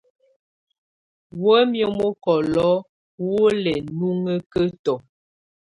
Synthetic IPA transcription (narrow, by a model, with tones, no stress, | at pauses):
wə˦mjə˦mo˦kɔ˨lɔ˨˦ | wo˦lɛ˨nu˦ŋə˦kə˦tɔ˨